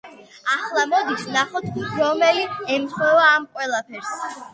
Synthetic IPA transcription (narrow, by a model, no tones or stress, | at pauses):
aχlˠamɔd̪isnaχɔt̪ʰɾɔmɛliɛmχɔvaːmqʼwɛlˠapʰɛɾs